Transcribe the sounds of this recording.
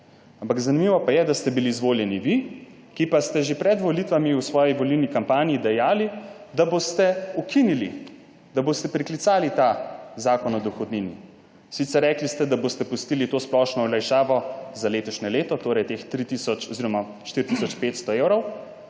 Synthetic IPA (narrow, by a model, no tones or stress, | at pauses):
ampaɡzanimiʋɔpajɛd̪ast̪ɛbiliːzʋoːljɛniʋi | kipast̪ɛʒepɾɛd̪ʋɔlit̪ʋamiusʋɔːjiʋɔliwnikampaːnijid̪ɛjaːlid̪abost̪ɛukʰinilḭ | d̪abost̪ɛpɾiklit̪saːlit̪azaːkɔnɔd̪ɔxɔd̪nini | sit̪sɛɾːɛklist̪ɛd̪abost̪ɛpust̪iːlit̪osplɔʃnɔɔlajʃaːʋɔzaleːt̪ɔʃnɛleːt̪ɔt̪oːɾɛjt̪ext̪ɾit̪isɔt͡ʃɔziɾɔma | ʃt̪iɾt̪isɔt͡ʃpeːt̪st̪ɔewɾɔw